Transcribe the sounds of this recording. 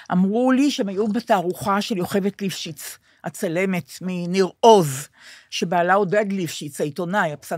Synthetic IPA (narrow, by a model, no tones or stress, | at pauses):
ʔamʁuliʃeemajubetaːʁuχaʃeljo̞χe̞vetlifʃit͡s | hat͡sale̞me̞tminiʁo̞z | ʃe̞baːlaodadlifʃit͡saito̞najapsa